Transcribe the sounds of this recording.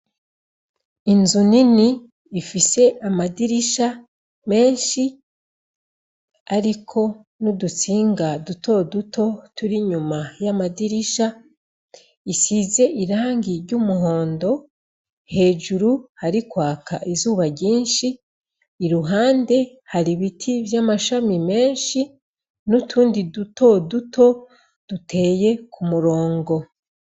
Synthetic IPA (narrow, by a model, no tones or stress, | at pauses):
inzuniniː | fise̞ʔamadiɾiʃa | me̞ːnʃi | aɾikʰo̞ | nudut͡siːŋɡaduto̞dutʰo̞tuɾiɲumajamadiɾiʃa | isize̞ʔiɾaːŋɡiɾɟumuɦo̞ːndo̞ | he̞ːʒuɾuhaɾikwaːka̰ʔizuːβaɟiːnʃiː | ɾuɦaːnde̞ | haɾiβitʰivjamaʃamime̞ːnʃi | nutʰuːndidutʰo̞dutʰo̞ | d̥utʰe̞ːje̞kʰumuɾo̞ːŋɡo̞